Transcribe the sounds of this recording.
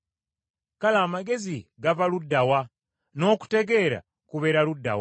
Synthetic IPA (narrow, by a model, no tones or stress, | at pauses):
kalaːmaɡe̞ziɡavaludːawa | no̞ːku̥te̞ɡe̞ɾa̰ | kuβe̞ɾaludːa̰wa